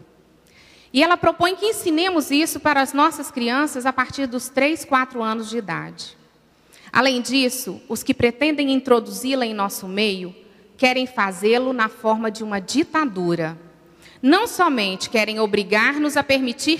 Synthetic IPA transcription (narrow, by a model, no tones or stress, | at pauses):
ɪɛlɐpɾopõj̃kɪĩsinẽmʊzisʊpaɾɐːznɔsɐskɾiɐ̃sɐzapaɾt͡ʃiɾd̪ʊst̪ɾejskwat̪ɾʊɐ̃nʊzd͡ʒɪid̪a̰d͡ʒɪ | a̰lẽj̃d͡ʒisʊʊskɪpɾet̪ẽnd̪ẽj̃ĩt̪ɾod̪uzilɐẽj̃nɔsʊmejʊ | kɛɾẽj̃fazelʊnɐfɔɾmɐd͡ʒɪũmɐd͡ʒit̪ad̪uɾɐ | nɐ̃w̃sɔmẽnt͡ʃɪ̥kɛɾẽj̃obɾiɡaɾnʊzɐpeɾmit͡ʃiɾ